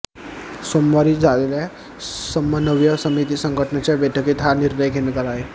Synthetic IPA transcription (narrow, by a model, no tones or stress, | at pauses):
somːaɾiːd͡zʱalelja | səmːənəʋjəsəmit̪̬iːsəŋɡʱəʈənat͡ɕjabɛʈʰəket̪ɦaniɾnəjkenekəɾae